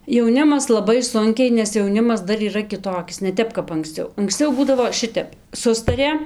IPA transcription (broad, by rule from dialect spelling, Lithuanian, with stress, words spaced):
jɛʊˈnʲɪmɐs lˠɐˈbɐɪ ˈsʊŋʲkʲɛɪ nʲɛs jɛʊˈnʲɪmɐs ˈdɐr iːˈrɐ kʲɪˈtoːkʲɪs nʲɛ ˈtʲɛp kɐp ɐŋksʲˈt͡sʲɛʊ ɐŋksʲˈt͡sʲɛʊ ˈbuːdɐʋoː ˈʃʲɪtʲɛp ˈsʊstɐrʲeː